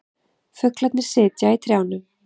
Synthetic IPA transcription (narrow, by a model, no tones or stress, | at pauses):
fʏklat̪nɪɾ̥sɪːt̪jait̪ʰɾjaːwnʏm